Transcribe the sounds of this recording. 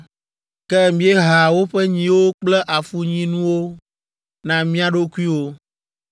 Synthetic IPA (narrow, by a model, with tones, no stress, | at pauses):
kɛ˦mĩ˦e˦ɦa˨wo˦ɸɛ˦ɲĩ˦wo˦k͡plɛ˦ʔa˨fu˦ɲĩ˦nũ˦wo˦ | nã˨mĩ˦a˨ɖo˦ku˦i˦wo˦